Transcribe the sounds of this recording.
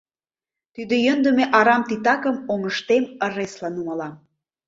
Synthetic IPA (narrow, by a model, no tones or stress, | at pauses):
t̪yd̪ə̆jə̆nd̪ə̆meʔɑɾɑmt̪it̪ɑkə̆moŋəʃt̪emə̆reslɑnumɑlɑm